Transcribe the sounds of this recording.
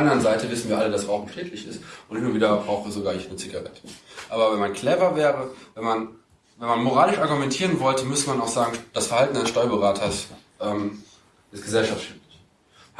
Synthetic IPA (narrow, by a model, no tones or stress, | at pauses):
fandɐʁənzaɪtəvɪsn̩viːɐʔalədasʁaʊxm̩ʃtɛːtʰlɪçɪstʊntɪnʊnviːdɐbʁaʊxəzoɡaːɐɪçnət͡siɡaʁɛtʰə̥ʔaːbɐvɛnmankʰl̥ɛvɐvɛːʁəvɛnman | vɛnmanmoʁaːlɪʃʔaɐɡumɛntʰiːʁənvɔltəmʏsəmanaʊxz̥aːɡŋ̩d̥asfɛɐhaltn̩dansʃtɔʏɐbəʁaːtʰɐs | ʔɛːm | ɪstɡ̥əzɛlʃaftʃɛftlɪç